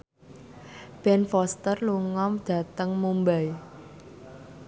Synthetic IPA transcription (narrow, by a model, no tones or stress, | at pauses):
b̥ɛnfɔst̪ərluŋɔmd̪̥ä̤t̪əŋmumbaj